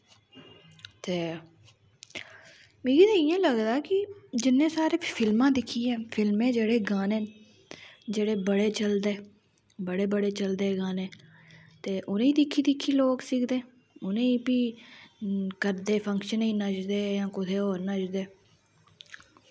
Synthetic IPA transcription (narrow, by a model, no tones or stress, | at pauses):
t̪eː | miːɡiːt̪aijẽːləɡd̪aːkɪd͡ʒɪnːẽːsaːɾeːfʰɪlmãːd̪ɪkʰːiːɛ̃ːpʰɪlmẽːd͡ʒeːɽeːɡaːnẽː | d͡ʒeːɽeːbəɽeːt͡ʃəld̪eː | bəɽeːbəɽeːt͡ʃəld̪eːɡaːnẽː | t̪eːʔʊnẽːiːd̪ɪkʰːiːd̪ɪkʰːiːloːksɪkd̪eː | ʊnẽːiːpiː | kəɾd̪eːpʰə̃ŋkʃənĩːnəd͡ʒd̪eːjãːkʊt̪ʰeːoːɾnəd͡ʒd̪eː